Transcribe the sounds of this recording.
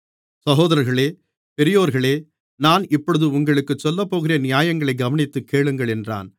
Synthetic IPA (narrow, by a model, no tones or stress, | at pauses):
sɐɣoːðɐɾɐɾɣɐɭeː | pɛɾɪjoːɾɣɐɭeː | naːnɪpːɔɽɯðɯʊŋɡɐɭɯkːɯt͡ʃːɔlːɐpːoːɣɪrɐːnɪjaːjɐŋɡɐɭɐɪɡɐʋɐnɪt̪ːɯkːeːɭɯŋɡɐɭɛndra̰ːn